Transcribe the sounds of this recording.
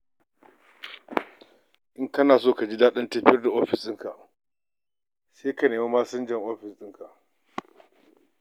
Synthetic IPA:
ʔɪ˦ŋkɐ˦naː˨soː˦˨ka˨d͡ʒi˦daː˦ɗɐ˦ntɐ˦ɸɪ˦jɐ˦rda˨ʔoː˦ɸɪ˨sʼɪ˦ŋka˨ʔ | seː˦ka˨neː˨ma˦maː˦sɐ˦nd͡ʒɐ˨ŋʔoː˦ɸɪ˨sʼɪ˦ŋka˨ʔ

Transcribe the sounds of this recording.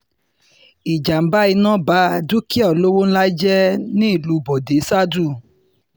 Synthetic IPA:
i˨d͡ʒa˨m̩˦ba˦i˧nã˦˨ba˨˦du˦ki˦ɔ˦˨lo˦wo˦n̩˦la˦d͡ʒɛ˦nĩ˦i˦˨lu˨˧bɔ˨de˨˦sa˦du˦˨

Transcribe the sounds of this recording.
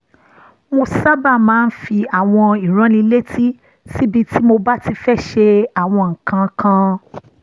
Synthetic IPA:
mo˧sa˦ba˦˨mãː˨˦n̩˦fi˧a˨w̃ɔ̃˧i˨ɾ̃ɔ̃˨˦nĩ˧le˦tʰi˦ | si˦bi˧ti˦mo˧ba˦ti˧fɛ˦ʃe˧a˨w̃ɔ̃˧ŋ̩˨kã˧kʰã˧

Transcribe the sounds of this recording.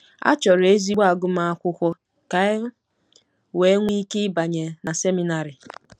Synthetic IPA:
a̰˦t͡ʃɔ˨ɾe˦zi˦ɡ͡ba˨ɡʊ˦m˦a˦a˦kʷʊ˦kʷɔ˦ | ka˦ɪ˦ | we˨˦ŋʷi˦ke˦ɪ˦ba˨ɲe˨na˨se˦mi˨na˨ɾɪ˨

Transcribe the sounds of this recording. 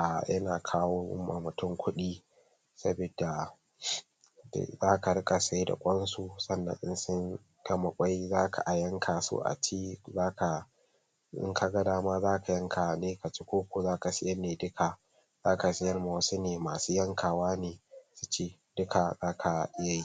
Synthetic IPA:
ʔa˨jɐ˦naː˨kʰaː˦woː˦ʔʊ̰˦ma̰˨mʊ˨tʊ˦ŋkʷʊ˦ɗiː˦ | sɐ˦bi˨da˨ | d̰zaː˦ka˨ɽɪ˦kʼa˨sa˦jda̰˨kʷʼɐ˦nsu˦sɐ˦nːɐ̰˨nʔɪ˦nsʊ˦ŋ | ɡ̥ɐ˦ma˨kʷʼa˦jzaː˦kʰa̰˨ʔa˨jɐ˦ŋkʰaː˨so̰˦ʔa̰˨t͡ʃiː˦zaː˦ka˨ | ɪ̰˦ŋkʰa˨ɡɐ˦daː˦ma˦zaː˦ka˨jɐ˦ŋkʰa˨neː˦ka˨t͡ʃi˦kʷoː˦kʷoː˨zaː˦ka˨sɪ˦jɐ˦neː˨dʊ˦kʰa˨ | zaː˦ka˨sɪ˦jɐ˦˨rma˨wɐ˦su˦neː˨maː˨suː˦jɐ˦ŋkʰaː˨waː˦neː˨su˦t͡ʃeː˦ | dʊ˦kʰa˨zaː˦kʰa˨ʔɪ˦ja˨ji˦

